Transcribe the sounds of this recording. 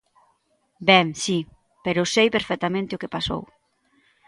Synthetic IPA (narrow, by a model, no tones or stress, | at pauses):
bɛŋsi | peɾʊsejpeɾfɛk̚t̪amẽnt̪eokepaso̰w